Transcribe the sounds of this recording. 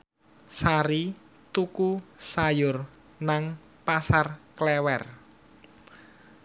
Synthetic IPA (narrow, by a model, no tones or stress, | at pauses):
saɾi | t̪ukusajʊr | naŋ | pasarklɛwɛr